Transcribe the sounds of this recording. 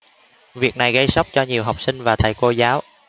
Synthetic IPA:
vi˨˩ək̚na˨˩jɣə˧jsa˦˥wk͡p̚t͡ɕɔ˧ɲi˨˩əwɦa˨˩wk͡p̚sï˧ŋ̟vaː˨˩t̪ʰa̰˨˩jko˧zaː˨˦w

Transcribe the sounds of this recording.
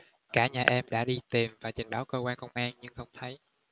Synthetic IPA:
kaː˧˩ɲaː˨˩ʔɛ˧mɗa̰ː˧˥ɗi˧t̪i˨˩mvaː˨˩t͡ɕi˨˩ŋ̟ɓaː˨˦wkəː˧kwaː˧nkə˧wŋ͡mʔaː˧nɲɨ˧ŋxə˧wŋ͡mt̪ʰə˨˦j

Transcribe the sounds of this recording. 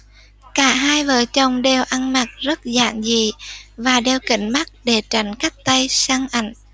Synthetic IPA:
kaː˧˦ɦaː˧jvəː˨˩˦t͡ɕə˨˩wŋ͡mɗe˨˩wʔa˧nma˨˩t̚zə˦˥t̚za̰ː˧˨nzi˨˩vaː˨˩ɗe˨˩wkï˧˩˦ŋ̟ma˦˥t̚ɗe˨˩t͡ɕa˧˩jŋ̟ka˦˥jk̚t̪a˧jsaː˧ŋʔa̰˧˩jŋ̟

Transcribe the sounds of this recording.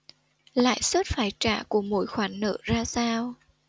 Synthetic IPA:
la̰ː˧˨jswə˦˥t̚faː˧˩jt͡ɕa̰ː˧˩ku˧˩əmo̰˧˥jxwaː˨˩nːə̰ː˧˨zaː˧saː˧w

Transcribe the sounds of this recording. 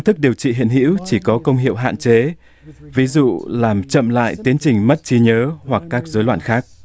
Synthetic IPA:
nt̪ɨ˦˥k̚ɗi˨˩əwt͡ɕḭ˧˨ɦḭ˧˨ənɦḭ˧˥wt͡ɕi˧˩kɔ˨˦kə˧wŋ͡mɦḭ˧˨əwɦa̰ː˧˨nt͡ɕe˨˦ | vi˨˦zṵ˧˨laː˨˩mt͡ɕə̰˧˨mla̰ː˧˨jt̪i˨˦ənt͡ɕï˨˩ŋ̟mə˦˥t̚t͡ɕi˧ɲəː˨˦hwa˨˩kːaː˦˥k̚zəː˨˦jlwaː˧˨nxaː˦˥k̚

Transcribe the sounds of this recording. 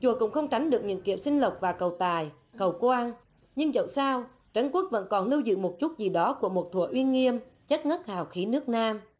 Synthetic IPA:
t͡ɕu˨˩əkʊ̰˧˥ŋ͡mxə˧wŋ͡mt͡ɕa˨˦ŋ̟ɗɨ˨˩ək̚ɲɨ̰˧˥ŋkḭ˧˩əwsï˧ŋ̟lə˨˩wk͡p̚vaː˨˩kə˨˩wt̪aː˨˩j | kə˨˩wkwaː˧n | ɲɨ˧ŋzə̰˧˨wsaː˧w | t͡ɕə˧˦nku˦˥ək̚və̰˧˥nkɔ˨˩nlɨ˧wzɨ̰˧˨mo˨˩t̚t͡ɕu˦˥t̚zi˨˩ɗɔ˨˦ku˧˩əmo˨˩t̚t̪ʰu˧˩əʔwi˧nŋi˧əmt͡ɕə˦˥t̚ŋə˦˥t̚haː˨˩wxi˨˦nɨ˦˥ək̚naː˧m

